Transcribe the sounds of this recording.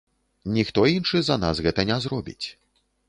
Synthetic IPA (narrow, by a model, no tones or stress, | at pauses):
nʲixt̪ɔinʂɨzɐna̰sɣɛt̪ɐnʲɛzɾɔbʲḭt͡sʲ